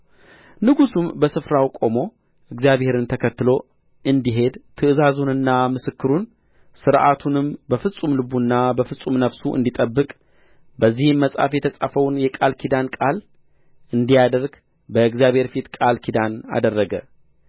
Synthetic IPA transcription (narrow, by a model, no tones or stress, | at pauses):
nɨɡusumbəsɨfɾawkʼo̞mo̞ | ʔɨɡzijaβhe̞ɾɨnt̪ʰəkʰət̪ːɨlo̞ | ɨnd̪iɦe̞d̪t̪ʰɨɨzazunɨnːamɨsɨkːɨɾun | sɨɾʔat̪ʰunɨmbəfɨsʼumlɨbunːabəfɨsʼumnəβsuʔɨ̰nd̪it̪ʼəbːɨkʼ | bəzːihɨmːəsʼa̰fjɛt̪ʰəsʼa̰fəwnjɛkʼalkʰid̪ankʼal | ɨnd̪ijad̪əɾɡ | bəɨɡzjaβhe̞ɾfit̪kʼalkʰid̪ana̰d̪ərːəɡə̰